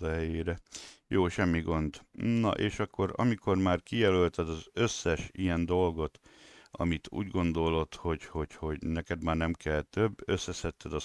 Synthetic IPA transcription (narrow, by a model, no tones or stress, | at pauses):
ɒɦɛjeːɾɛjoːʃɛmːiɡond̪nɒ̰ʔeːʃɒkːo̞ɾɒ̰miko̞rmaːrkijɛlølt̪ɛd̪ɒzø̞sːɛʃijɛnd̪o̞lɡo̞t̪ɒ̰mit̪ʰṵːɟɡo̞nd̪o̞lo̞t̪ho̞ɟho̞ɟho̞ɟnɛkɛd̪maːrnɛmkɛlt̪øbːø̞sːɛsɛt̪ːɛd̪ɒ